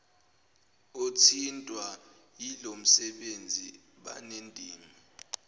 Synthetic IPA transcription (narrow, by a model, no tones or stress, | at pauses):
otʰintʼwajilom̩sɛɓend͡zʱḭ | ɓa̰nendʱʼiːmi